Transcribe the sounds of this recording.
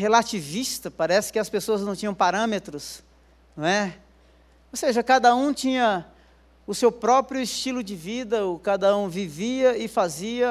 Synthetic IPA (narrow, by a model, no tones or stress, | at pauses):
ɦelat͡ʃivist̪ɐpaɾɛsɪ̥kɪɐspesoɐznɐ̃w̃t͡ʃĩɲɐ̃w̃paɾɐ̃met̪ɾʊs | ñɛ | oseʒɐkad̪ɐũt͡ʃĩɲɐ | ʊsewpɾɔpɾjʊɪst͡ʃilʊd͡ʒɪvid̪ɐokad̪ɐũviviɐɪfaziɐ